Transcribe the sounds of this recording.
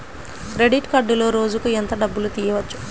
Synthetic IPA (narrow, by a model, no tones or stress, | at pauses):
ɾe̞ɖiʈkɐɖːulo̞ːɾo̞ːd͡ʒukuent̪ɐɖɐbːulut̪iːjɐʋɐt͡ʃːu̥